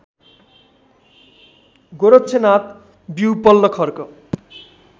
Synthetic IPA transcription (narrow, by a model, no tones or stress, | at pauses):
ɡoɾott͡sʰenat̪ | biwpʌlːʌkʰʌrkʌ